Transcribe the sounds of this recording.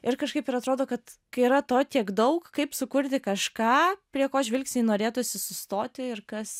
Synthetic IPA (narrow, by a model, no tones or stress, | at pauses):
ɪrkɐʃkɐɪpɪɾɐt̪ɾoːd̪oːkɐt̪kɐɪiɾɐt̪oːt̪ʲiɛkd̪ɐʊkkɐɪpsʊkʊɾʲt̪ʲɪkɐʃkɑːpʲɾʲiɛkoːʒʲʋʲɪlʲksʲnʲiːnoːɾʲeːt̪ʊsʲɪsʊst̪oːt̪ʲɪɪrkɐs